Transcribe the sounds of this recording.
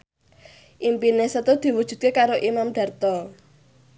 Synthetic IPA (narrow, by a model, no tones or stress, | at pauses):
ʔimpinesət̪od̪̥i̤wud̥ʒ̥ṳt̪̚kekaɾoʔimamɖ̪̥ä̤rt̪ɔ